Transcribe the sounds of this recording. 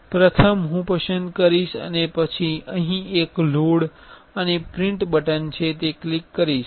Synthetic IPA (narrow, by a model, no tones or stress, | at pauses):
pɾət̪ʰəmɦũpəsənd̪kəɾiʃə̰nepət͡ʃʰiəɦĩekloɽ | ənepɾɪ̃ɳʈbəʈənt͡ʃʰet̪eklikːəɾiʃ